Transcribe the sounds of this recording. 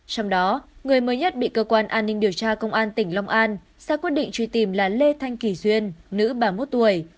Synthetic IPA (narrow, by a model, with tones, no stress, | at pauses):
t͡ɕɔ˧wŋ͡mɗɔ˨˦ŋɨ˨˩əjməː˨˦jɲə˦˥t̚ɓḭ˧˨kəː˧kwaː˧nʔaː˧nːï˧ŋ̟ɗi˨˩əwt͡ɕaː˧kə˧wŋ͡mʔaː˧nt̪ï˧˩ŋ̟la˧wŋ͡mʔaː˧n | saː˧˥kwi˦˥ət̚ɗḭ˧ŋt͡ɕwi˧t̪i˧˩mlaː˨˩le˧t̪ʰa˧jŋ̟ki˧˩zwi˧ənːɨ̰˧˥ɓaː˧˩mo˦˥t̚t̪u˧˩əj